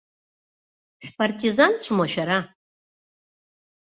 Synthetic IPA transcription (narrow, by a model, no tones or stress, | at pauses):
ʃᶣpartʰizant͡ɕʷʰmaʃᶣaɾa